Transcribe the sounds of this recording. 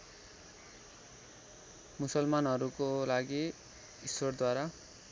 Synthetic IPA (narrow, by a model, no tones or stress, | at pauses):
musʌlmanɦʌɾukolaɡi | isord̪waɾa